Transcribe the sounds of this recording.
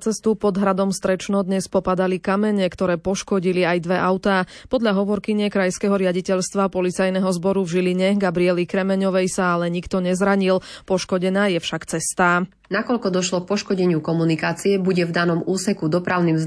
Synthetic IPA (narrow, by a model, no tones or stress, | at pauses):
t͡sɛst̪upɔd̪ɦɾad̪ɔmfst̪ɾɛt͡ʃnɔd̪ɲɛspɔpad̪alikamɛɲɛkt̪ɔɾɛːpɔʃkɔɟiliajd̪ʋɛʔaʊt̪aː | pɔd̪ʎaɦɔʋɔɾkiɲɪɛkɾajskɛɦɔɾɪaɟicɛʎst̪ʋapɔlit͡sajnɛɦɔzbɔɾuvʒiliɲɛɡabɾiɛlikɾɛmɛɲɔʋɛjsaalɛɲikt̪ɔɲɛzɾaɲilpɔʃkɔɟɛnaːjɛfʃakt͡sɛst̪aː | nakɔʎkɔd̪ɔʃlɔk̚pɔʃkɔɟɛɲɪukɔmunikaːt͡siɛbuɟɛvd̪anɔmuːsɛkud̪ɔpɾaʊnimz